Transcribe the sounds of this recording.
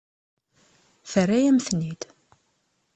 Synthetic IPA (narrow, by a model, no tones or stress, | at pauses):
θərːæjæmθnid̪̥